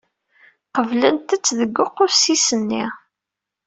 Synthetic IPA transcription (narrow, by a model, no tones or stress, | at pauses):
qəvlənt̪ət͡sːðəɡːʊqːʊɾsisənːḭʁ